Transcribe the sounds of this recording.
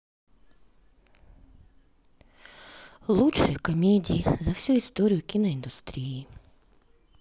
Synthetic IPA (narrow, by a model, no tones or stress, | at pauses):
lˠutʃɛkɔmʲedʲiizɐwsʲuist̪ɔɾʲijʊkʲinɔind̪ʊst̪ɾʲiji